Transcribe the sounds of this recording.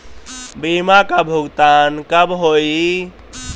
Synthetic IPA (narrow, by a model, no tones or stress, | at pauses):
bimakabʱuɡt̪aːnkəbɦoi